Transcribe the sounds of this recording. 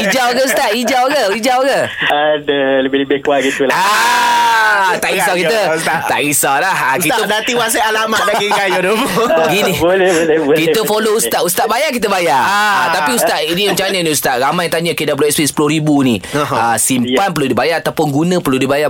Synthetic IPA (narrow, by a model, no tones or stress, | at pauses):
id͡ʒawɡəust̪aʔid͡ʒawɡəid͡ʒawɡəadələbɪhləbehkwaɡit̪ulaa | t̪aʔisawkit̪ət̪aʔisawlahakit̪ənat̪iwas̬aalamaʔdaɡikajodomuɡiniolɛhbolɛokiəfolousat̪ust̪at̪ʔ̚bajaʔkit̪əbajat̪apiust̪atiniməɲt͡ʃaɲənĩust̪aʔ̚ɾamãjt̪aɲakedabəluɛkspisə̥puloɾibunĩasimpanpəludibajaat̪awpʊnɡunə̃pərludibaja